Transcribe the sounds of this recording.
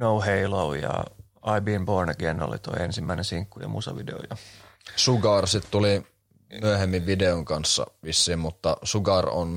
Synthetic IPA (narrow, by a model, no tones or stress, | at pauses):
nouheiloujɑ̰ | ɑibiːmbornɑɡiɑnːo̰lḭt̪oiensimːæinensiŋkːujɑ̰musɑʋideo̰jɑsuɡɑˑrsit̪t̪uli | myøhemːiʋʋideoŋkɑnsːɑ̰ʋisːiːmmut̪ːɑsuɡɑro̰n